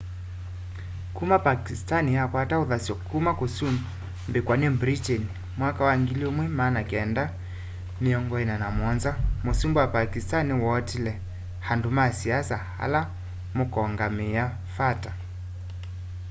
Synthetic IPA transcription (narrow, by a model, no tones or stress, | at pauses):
kumapakistaniakwatauðasiɔkumakosum | mbɛkwanɛbɾitɛni | mwakawaŋɡiliomwɛmanakɛnda | miɔŋɡɔɛnanamɔnzamosumbuwapakistaniwɔtilɛ | handumasiasaha̰la | mukɔŋɡamɛa | fata